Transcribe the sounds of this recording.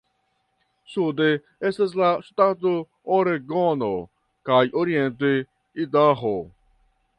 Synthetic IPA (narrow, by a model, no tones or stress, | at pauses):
sud̪e | eses̬lasu̥t̪ãt̪u | oɾeɡɔno | kajʔoɾient̪e | id̪aɦo